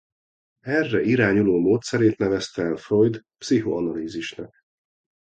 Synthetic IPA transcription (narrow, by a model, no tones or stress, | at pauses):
ɛrːɛʔiɾaːɲuloːmoːt̪sɛɾeːt̪nɛvɛst̪ɛːlføjd̪psiɦo̰ɒnɒliːziʃnɒk